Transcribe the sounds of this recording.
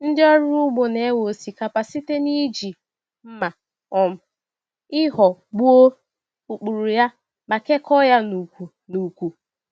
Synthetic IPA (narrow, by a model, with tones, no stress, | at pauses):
n̩˦dɪ˦ɔ˦ɾu˦ɡ͡bʊ˨ne˨˦wo˨si˨ka˨pa˨si˦te˦ni˦d͡ʒi˨ | m̩˦ma˨ | ɔ˨m̩˨ | ɪ˦ɦɔ˨ɡ͡bu˦o˦ | u˨k͡pu˨ɾu˨ja˦ | ma˨ke˦kʰɔ˦ja˦nu˨kʷu˨ | nu˨kʷu˨